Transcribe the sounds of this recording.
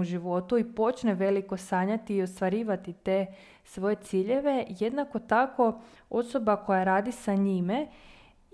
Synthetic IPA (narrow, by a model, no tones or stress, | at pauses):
uʒiʋo̞t̪uipo̞t͡ʃne̞ʋe̞liko̞saːɲat̪iːo̞st̪ʋaɾiːʋat̪it̪e̞ | sʋo̞je̞t̪siːʎe̞ʋe̞je̞d̪nako̞t̪ako̞ | o̞̰so̞bako̞jaɾaːd̪isaɲime